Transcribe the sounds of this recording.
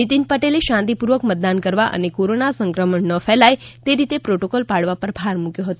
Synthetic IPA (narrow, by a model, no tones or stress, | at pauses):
nit̪inpəʈeleʃãnt̪ipuɾʋəkmət̪̚d̪ankəɾʋaʔə̰nekoɾonasə̃ŋkɾəməɳːəfɛlajt̪eɾit̪epɾoʈokolpaɽʋapəɾbʱaɾmukjoɦət̪o